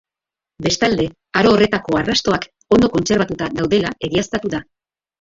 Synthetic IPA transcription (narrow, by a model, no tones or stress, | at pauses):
be̞st̪ald̪e̞ | aɾo̞ːre̞t̪ako̞arast̪o̞ak | o̞nd̪o̞ko̞nse̞ɾβat̪ut̪aðawðe̞lae̞ɣiast̪at̪uða